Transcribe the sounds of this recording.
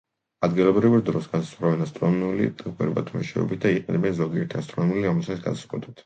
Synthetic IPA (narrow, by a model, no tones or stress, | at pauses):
ad̪ɡilˠɔbɾivɾd̪ɾɔsɡasḁsχɾavɛnast̪ʼɾɔnnulḭt̪ʼkʼwɛ̰ɾba̰t̪ʰumɛ̰ʃɛ̰ɔ̰bit̪̚d̪aiqʼɛnɛbɛnzɔɡiɛɾt̪ʰiast̪ʼɾɔnɔmuliɾɔmɛlˠsasɡa̰sḁsqʼwɛt̪ʼɛt̪ʰ